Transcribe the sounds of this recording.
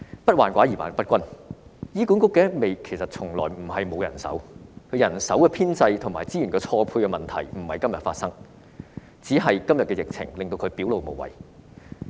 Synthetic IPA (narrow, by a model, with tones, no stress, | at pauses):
pɐ˥t̚waː˨˩nkʷaː˨˥jiː˨˩wa̰ː˨n˨˩pɐ˥t̚kʷɐ˥njiː˥ku˨˥nkʊ˥kːɛː˨˥me˨jkʰe˨˩jsɐ˨t̚t͡sʰʊ˨˩ŋlɔ̰ː˨˩jm̩˨˩hɐ˨jmo˨˧wjɐ˨˩nsɐ̰˨˥wkʰɵ˨˧ɥjɐ˨˩nsɐ˨˥wkɛː˧pʰiː˥nt͡sɐ˧jt̪ʰʊ˨ŋmaː˨˩jt͡siː˥jy˨˩nkɛː˧t͡sʰɔː˧pʰuː˧jkɛ˧mɐ˨nt̪ʰɐ˨˩jm̩˨˩hɐ˨jkɐ˥mjɐ˨t̚faː˧t̚sɐ˥ŋ | t͡siː˨˥ɦɐ˨jkɐ˥mjɐ˨t̚kɛː˧jɪ˨k̚t͡sʰɪ̰˨˩ŋlɪ˨ŋt̪o˧wkʰɵ˨˧ɥpiː˨˥wlo˨wmo˨˩wɐ̰˨˩j